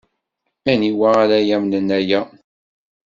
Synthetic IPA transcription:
æniwæːɾæjæmnənæjæ

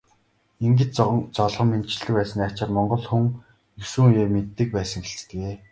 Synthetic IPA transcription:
iŋɡɘ̆t͡ɕt͡st͡sɔɮʁɞ̆mːent͡ɕɪ̆ɮɘ̆kpæːsə̆nːat͡ɕăt̪mɔɴɢɞ̆ɮxuŋ | jɵsɘ̆ŋujeːmet̪ːɘ̆k̚pæːsə̆ŋxeɬt͡st̪ɘ̆keː

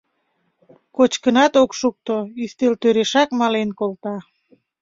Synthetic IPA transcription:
kot͡ɕkənɑt̪okʃuk̚t̪oyst̪elt̪øɾeʃɑkmɑlenkolt̪ɑ

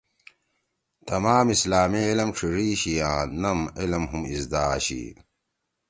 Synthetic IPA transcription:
t̪ɐmaːmislaːmiilɐmʈ͡ʂʰiʐiːɕijãːnɐmilɐmɦumizd̪aːɕḭ

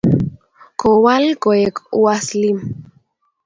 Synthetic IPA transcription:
kowalkojekuaslim

